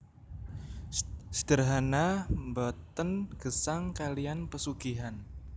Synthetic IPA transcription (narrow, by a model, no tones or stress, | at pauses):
sə̥d̥ərɦanambɔt̪ənɡ̥əsaŋkalianpəsuɡ̥iɦan